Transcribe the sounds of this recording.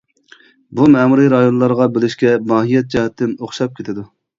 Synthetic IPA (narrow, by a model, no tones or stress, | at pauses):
bumɛmuɾɨɾɑjonlˠɑɾʁɑbelɪʃkʲɛmɑːɦijɛt̪̚d͡ʒɛɦɛt̪ʰːɪnoχʃɑp̚kʲʰet̪ʰɪd̪u